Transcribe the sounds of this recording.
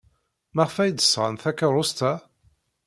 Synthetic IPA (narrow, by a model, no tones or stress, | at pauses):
məʁfæjd̪ə̥sʁa̰nθækːəɾˤost̪æ